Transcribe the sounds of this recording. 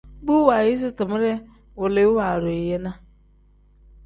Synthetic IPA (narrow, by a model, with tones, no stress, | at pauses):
bu˦wa˨jɪ˦s̬ɪ˦tɪ˨m˦ɾɛ˦ | wʊ˨lɪ˨˦wa˨ɾʊ˨ɪ˨jɛ˦nã˦